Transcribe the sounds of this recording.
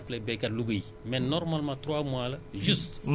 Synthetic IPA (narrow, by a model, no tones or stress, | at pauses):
plɛbɛkaluɡui | mɛnɔɾmalmãt̪ɾwamwalaʒyst̪m